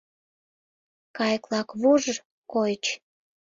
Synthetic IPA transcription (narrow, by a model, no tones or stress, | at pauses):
kɑjklɑkβuʒ | kojt͡ɕ